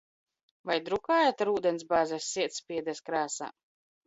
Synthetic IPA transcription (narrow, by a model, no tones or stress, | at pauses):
vajd̪ɾukaːjat̪aɾuːd̪ɛnsbaːzɛsʲːiɛt̪spʲiɛd̪ɛskɾaːsa̰ː